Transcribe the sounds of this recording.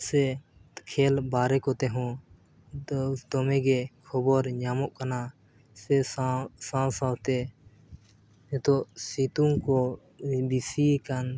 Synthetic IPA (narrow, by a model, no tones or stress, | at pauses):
sɛ | kʰɛlbaɾɛkɔt̪ɛɦɔ̃ | t̪ɔmɛɡɛkʰɔbɔɾɲamɔʔkana | sɛsãwsãwt̪ɛ | ɛt̪ɔʔsit̪uŋkɔ | bisikan